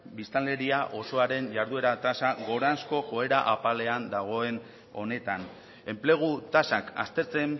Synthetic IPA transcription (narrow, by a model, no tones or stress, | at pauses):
bist̪ale̞ɾiaʔo̞so̞aɾe̞nʝaɾðue̞ɾat̪asaɡo̞ɾansko̞ʝo̞e̞ɾaʔapale̞and̪aɣ̞o̞e̞n | o̞ne̞t̪an | e̞mple̞ɣ̞ut̪asaka̰st̪e̞ɾt͡se̞n